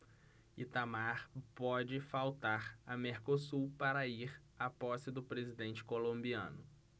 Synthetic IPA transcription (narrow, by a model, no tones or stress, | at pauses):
it̪amaɾpɔd͡ʒɪfawt̪aɾɐmeɾkosupaɾɐiɾ | apɔsɪd̪ʊpɾezid̪ẽnt͡ʃɪ̥kolõmbiɐ̰̃nʊ